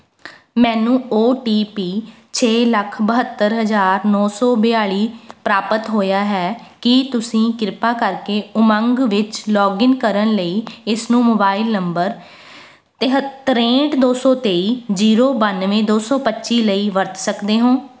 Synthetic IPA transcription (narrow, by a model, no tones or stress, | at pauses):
mɛ̃ːnũːoːʈiːpiː | t͡ʃʰeːləkʰbəɦət̪ːəɾɦəzaːɾnɔːsɔːbɪaːɭiːpɾaːpət̪ɦoːjaːɦɛːkɪt̪ʊsĩːkɪɾpaːkəɾkeːʊmə̃ŋɡʋɪt͡ʃlɔːɡɪnkəɾənləiːɪsnũːmoːbaːɪlnəmbəɾ | t̪ɾẽːʈd̪oːsɔːt̪eːiːd͡ʒiːɾoːbənʋẽːd̪oːsɔːpətːʃiːləiːʋəɾt̪səkd̪eːɦõː